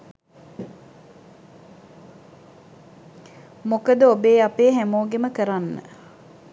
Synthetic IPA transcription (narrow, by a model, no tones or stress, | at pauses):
mokəd̪əobeːapeːɦæmoːɡeməkəɾanːə̰